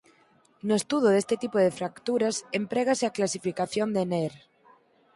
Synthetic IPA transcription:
noest̪uðoðest̪et̪ipoðefɾakt̪uɾasempɾeɣ̞aseaklasifikaθjond̪eneɾ

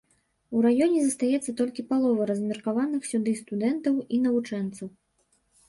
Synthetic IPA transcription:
uɾajɔnʲɛzɐst̪ajɛt̪sːɐt̪ɔlʲkʲipalˠɔvɐɾɐzmʲɛrkavanɨxsʲud̪ɨst̪ud̪ɛnt̪ɐwinɐvut͡ʂɛnt̪sɐw

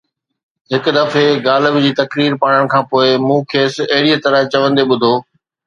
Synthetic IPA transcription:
ɦɪkʊ̆d̪ɐfeɡaːləbd͡ʑiːt̪ɐkɾiːɾpaːɽ̃əɽ̃̆kʰãːpoːɪmũːkʰeːsɐɦɪɽiət̪ɐɾə̃t͡ɕɐʋə̃nd̪eɓʊd̪ʱoː

